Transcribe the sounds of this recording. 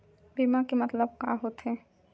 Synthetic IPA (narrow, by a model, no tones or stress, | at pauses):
bimãkemɐt̪ləb̚ka̰ɦoːt̪ɦɛː